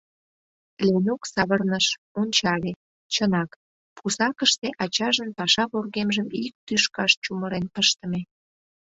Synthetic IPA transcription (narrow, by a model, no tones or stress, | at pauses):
lenuksɑβərnəʃ | onʲt͡ɕɑle | t͡ɕənɑk | pʰusɑkəʃt̪eʔɑt͡ɕɑʒənpɑʃɑβorɣemʒəmik̚t̪yʃkɑʃt͡ɕuməɾenpəʃt̪ə̆me